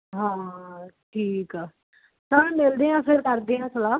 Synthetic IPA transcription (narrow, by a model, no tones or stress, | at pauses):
ɦãːʈʰiːka | t̪ãːmɪld̪eːɦãːfɪɾkəɾd̪eːãːsəlaː